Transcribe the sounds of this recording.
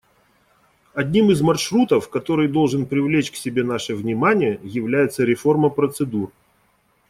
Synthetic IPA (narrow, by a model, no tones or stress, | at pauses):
ɐdʲnʲimɨzmɐrʂɾut̪əfkɐt̪o̞ɾɨjd̪o̞lˠʐɨnpɾʲɪvlʲet͡ɕksʲɪbʲe̞n̪aʂɨvnʲɪmanʲɪjəjɪvlʲæjɪt̪səɾʲɪfo̞rməpɾət̪sɨd̪ur